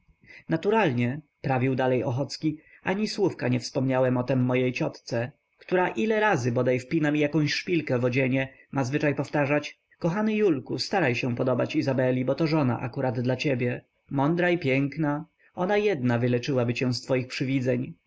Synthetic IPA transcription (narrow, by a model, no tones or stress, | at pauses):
nat̪uɾalɲɛ | pɾavʲiwd̪alɛjɔxɔt̪skʲi | aɲiswufkaɲɛfspɔmɲawɛmɔt̪ɛmːɔjejt͡ɕɔt̪t̪sɛ | kt̪uɾaʔilɛɾazɘbɔd̪ajfpʲinamʲijakɔ̃w̃ɕʂpʲilkɛvɔd͡ʑeɲɛ | mazvɘt͡ʂajpɔft̪aʐat͡ɕ | kɔxanɘjulkust̪aɾajɕɛ̃pɔd̪ɔbat͡ɕizabɛlʲibɔt̪ɔʐɔna̰ʔa̰kuɾad̪d̪lat͡ɕebʲjɛ | mɔnd̪ɾaipʲjɛŋkna | ɔnajɛd̪navɘlɛt͡ʂɘwabɘɕɛ̃st̪fɔjixpʂɘvʲid̪zɛɲ